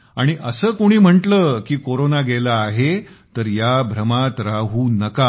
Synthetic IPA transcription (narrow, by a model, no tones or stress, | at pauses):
aɽ̃iʔəsəːkoɽ̃iːm̤əɳʈləːkiːkoɾonaɡelaːɦet̪əɾjabʱɾəmat̪ɾaɦuːnəka